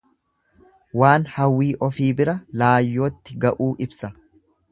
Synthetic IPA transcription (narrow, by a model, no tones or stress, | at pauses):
waːnhɐwːiːʔɔfiːbɪɾɐlaːjːo̞ːt̪ːɪɡɐʔuːʔɪbsɐ